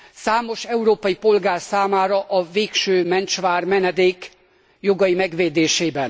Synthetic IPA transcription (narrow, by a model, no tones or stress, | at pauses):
saːmo̞ʃɛuɾoːpɒjipo̞lɡaːrsaːmaːɾɒʔɒveːkʃøːmɛnt͡ʃʋaːrmɛnɛd̪eːk | jo̞ɡɒjimɛɡʋeːd̪eːʃeːbɛn